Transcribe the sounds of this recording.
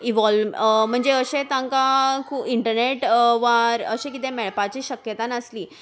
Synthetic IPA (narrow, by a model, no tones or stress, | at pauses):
iʋɔlmm̤əɳd͡zeəɕet̪ãŋkakʰuːpiɳʈəɾneʈʋaɾəɕekit̪emeɭpat͡ɕiːɕəkjət̪anəsliː